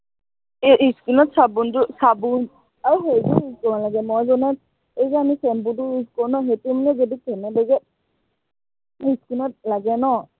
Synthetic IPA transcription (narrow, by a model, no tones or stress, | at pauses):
eiskinɔtsabuntusabun | aɹuɦejzuiskɔwalaɡɛmɔzɔnat̚ | ejzɛamisɛmbuduiskɔwnɔɦetumnɛzɔdikɛnɛbaɡɛt̚ | iskinɔt̚laɡɛnɔ